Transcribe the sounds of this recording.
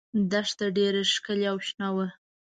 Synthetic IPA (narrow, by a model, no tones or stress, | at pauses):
d̪aʂt̪aɖeɾeʂkəleawʃnɑwə